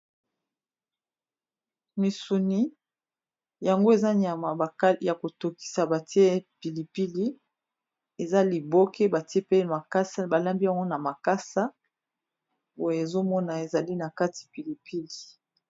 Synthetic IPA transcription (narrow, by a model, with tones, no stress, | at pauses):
mi˨su˨ni˨ | ja˨ŋɡo˦e˨za˦ɲa˨ma˨˦ja˨ko˨to˨ki̥˨sa˨ba˨ti˦e˦e˦pi˨li˨pi˦li˦ | e˨za˦li˨bo˦ke˦ba˨ti˦e˦pe˦ma˨ka˦sa˦ba˨la˦mbi˦ja˨ŋɡo˦na˨ma˨ka˦sa˦ | bo˦je˨zo˦mɔ˦na˨e˨za˨li˦na˨ka˦ti̥˨pi˨li˨pi˦li˨